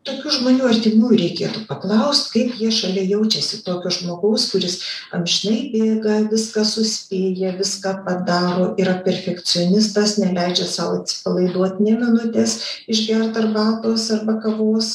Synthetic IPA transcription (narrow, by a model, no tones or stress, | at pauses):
t̪oːkʲʊʒmoːnʲuːɐrʲt̪ʲɪmuːjuɾʲɛɪkʲeːt̪upɐklˠɐʊsʲt̪kɐɪpjiɛʃɐlʲɛːjɛʊt͡ʃʲɛsʲɪt̪oːkʲoːʒmoːɡɐʊskʊɾʲɪsɐ̰mʲʒʲɪnɐɪbʲeːɡɐʋʲɪskɐsʊsʲpʲeːjɛʋʲɪskɑːpɐd̪ɑːɾoːʔiːɾɐpʲɛrʲfʲɛkt͡s̪ʲɪoːnʲɪst̪ɐsnʲɛlʲɛɪd͡ʒʲɛsɑːʋoɐt̪ʲsʲɪ̥pɐlˠɐɪd̪uɔt̪ʲnʲɛmʲɪnʊt̪ʲeːsɪʃɡʲɛrt̪ɐrbɑːlˠt̪oːsɐrbɐkɐʋoːs